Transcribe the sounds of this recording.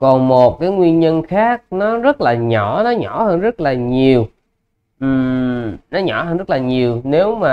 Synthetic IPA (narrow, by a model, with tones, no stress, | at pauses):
kɔ˨˩nmo˨˩t̚kaː˨˦jŋwi˧ənɲə˧nxaː˦˥k̚nɔ˨˦zə˦˥t̚laː˨˩ɲɔ˧˩nɔ˨˦ɲɔ˧˩həː˧nzə˦˥t̚laː˨˩ɲi˨˩əw | ʔɨ˨˩mnɔ˨˦ɲɔ˧˩˦həː˧nzə˦˥t̚laː˨˩ɲi˨˩əwne˨˦wmaː˨˩